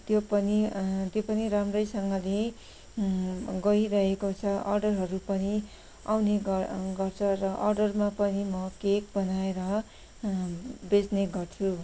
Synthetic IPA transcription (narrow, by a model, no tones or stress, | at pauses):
t̪jopʌnit̪jopʌniɾamrʌjsʌŋɡʌle | ɡʌiɾʌɦekot͡sʰʌʔʌrɖʌrɦʌɾupʌni | a̰wneɡʌɡʌrt͡sʰʌrʌʔʌrɖʌrmapʌnimʌkek̚bʌnaeɾʌ | bed͡zneɡʌrt͡sʰu